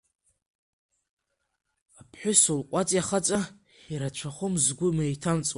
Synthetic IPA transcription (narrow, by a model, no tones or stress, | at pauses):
apʰħʷᶣʊsulqʷʼat͡sʼjaχat͡sʼa | iɾat͡ʃʷʰaχʷʊmzɡʷʊmejtʰant͡sʼw